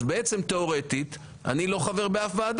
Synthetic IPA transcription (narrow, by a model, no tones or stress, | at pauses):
beet͡se̞mt̪e̞o̞ʁe̞t̪it̪ | a̰nilo̞χave̞ʁbeafvaːd̪